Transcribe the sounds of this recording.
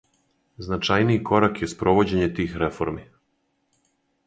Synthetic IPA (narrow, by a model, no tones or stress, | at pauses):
znat͡ʃajnijiko̞ɾakje̞spɾo̞ʋo̞d͡ʑe̞ɲet̪iːxɾe̞fo̞̰ɾmi